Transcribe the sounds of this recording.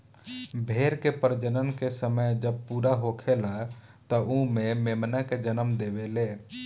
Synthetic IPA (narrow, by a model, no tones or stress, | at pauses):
bʱeːɾkepəɾd͡ʒənənkesəməjd͡ʒəb̚puːɾaɦokʰela | t̪əʔumẽmemnaked͡ʒənəmd̪eːʋeleː